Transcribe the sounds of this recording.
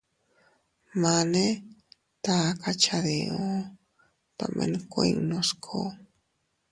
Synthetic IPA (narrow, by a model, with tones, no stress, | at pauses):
mane˦ | t̪a˧ka˧t͡ʃaðeo˦ | t̪a̰˨mʔḛ˧nkʷeŋnoskʰo